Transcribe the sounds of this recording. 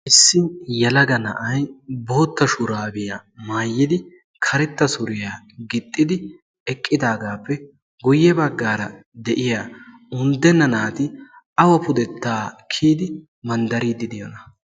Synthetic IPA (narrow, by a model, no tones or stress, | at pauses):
ʔɪsːɪnjɛlɐɡɐnɐ̰ʔɐjbo̞ːt̪ːɐʃʊɾaːbɪjamaːjːɪd̪ɪ | kʰɐɾɛt̪ːɐsʊɾɪjaː | ɡɪt̪ʼːɪd̪ɪ | ɛkʼːɪd̪aːɡaːpːɛ | ɡʊjːɛbɐɡːaːɾɐd̪ɛʔɪja | ʊnd̪ɛnːɐnaːt̪ɪ | ɐwɐpʊd̪ɛt̪ːaːkʰːiːd̪ɪ | mɐnd̪ɐɾiːd̪ɪd̪ɪjɔnɐ